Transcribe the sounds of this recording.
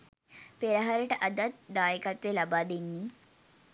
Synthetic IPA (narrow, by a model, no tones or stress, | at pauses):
peɾəɦaɾəʈəʔad̪at̪̚d̪aːjekat̪ʋelabaːd̪enːiː